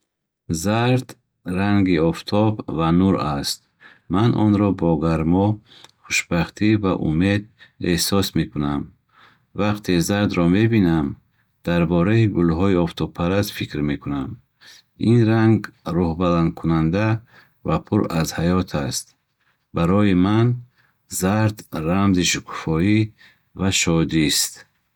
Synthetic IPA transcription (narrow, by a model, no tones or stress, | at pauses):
zaɾd̪ | ɾaŋɡiɔft̪ʰɔbvanuɾast̪̚ | manʔɔ̰nɾɔbɔɡaɾmɔχuʃbaχt̪ʰivaʔṵme̞d̪̚ehsɔsmekʰunam | vaqt̪ʰezaɾd̪ɾɔme̞binam | d̪̥aɾbɔɾaiɡulɦɔiɔft̪ʰɔpʰaɾasfikɾmekunam | inɾaŋɡɾɔhbaland̪̚kʰunand̪a | vapʰuɾazhajɔt̪ʰast̪̚ | baɾɔjiman | zaɾd̪ɾamziʃukʰu̥fɔi | vaʃɔd̪ist̪